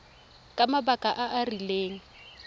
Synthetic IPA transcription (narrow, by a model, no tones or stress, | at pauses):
kʼamabakʼaʔaʔarileːŋ̩